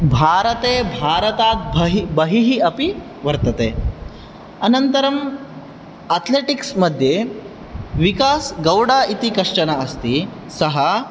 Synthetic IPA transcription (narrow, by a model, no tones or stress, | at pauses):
bʱaːɾɐt̪eːbʱaːɾɐt̪aːt̪̚bʱɐɦibɐɦiɦiɐpi | ʋɐɾt̪ɐt̪eː | ɐnɐnt̪ɐɾɐm | ɐt̪ʰleːʈiksmɐd̪ʱje | ʋikaːsɡɐwɽaːit̪ikɐʂʈɐnɐɐst̪i | sɐɦɐ